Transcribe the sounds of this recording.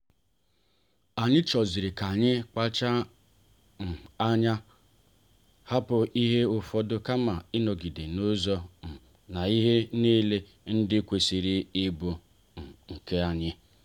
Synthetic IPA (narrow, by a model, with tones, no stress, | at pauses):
a˨ɲɪ˦t͡ʃɔ˨zi˨ɾi˨ka˨ɲɪ˦k͡pa˦t͡ʃa˦ | n̩˨a˦ɲa˦ | ha˦pʊ˨i˦ɦe˦ʊ˨fɔ˦dʊ˦ka˦ma˨ɪ˦nɔ˨ɡi˨de˨no˦zɔ˦˨ | na˨i˦ɦe˦ne˦le˦ | n̩˦dɪ˦kʷe˨si˨ɾi˦ɪ˦bʊ˨ | ŋ̩˨ke˦a˨ɲɪ˦